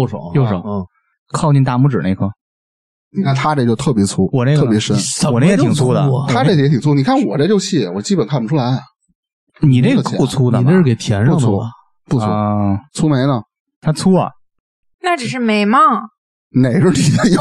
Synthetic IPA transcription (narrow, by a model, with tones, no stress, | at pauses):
o˥˩ʂo̰˨˩˦jo˥˩ʂo̰˨˩˦ | kʰɑ˥˧ʊt͡ɕi˥˧nt̪a˥˧mu˥˩ʈ͡ʂɻ̩̰˨˩ne˥˩ɪkʰɤ˥˩ | ni˨˩kʰa˥˩nt̪ʰa˥ʈ͡ʂt͡ɕjʊt̪ʰɤ˥˩pjɛ˧˥t͡sʰu˥wɔ˨˩ne˥˩ɡʰɤ˥˩pjɛ˧˥ʂə˥nwɔ˨˩ne˥˩˧t̪ʰi˨˩ŋt͡sʰu˥d̪ə˧˩t̪ʰa˥ʈ͡ʂtʰi˨˩ŋt͡sʰu˥ni˨˩kʰa˥˩nwɔ˨˩ʈ͡ʂə˥˧jo˥˧t͡ɕʰi˥˩wɔ˨˩t͡ɕi˥pə˨˩nkʰa˥˩pɔ˩ʈ͡ʂʰu˥la˧˥ɪ˨˩ | ni˨˩ʈ͡ʂe˥˩ɡu˥˩t͡sʰu˥d̪ə˨˩ʈ͡ʂe˥˩˧ʂɻ̩˥˩ke˨˩ɪt̪ʰjɛ˧˥nʂŋpəwɔ˥˩˥ | pu˥˩ɔ˥˧t͡sʰu˥me˧˥ɪnə˨ | t̪ʰa˥t͡sʰu˥ɐ̰˨˩ | na˥˩ʈ͡ʂ̩˨˩ʂɻ̩˥˩me˧˥ɪmɐ˥˧ | ne˨˩ɪʈ͡ʂə˥˩t̪i˨˩˧j